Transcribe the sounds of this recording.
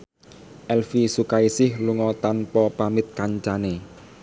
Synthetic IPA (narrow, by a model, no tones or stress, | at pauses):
ʔɛlfisukaisɪhluŋɔt̪anpɔpamɪt̪̚kaɲt͡ʃane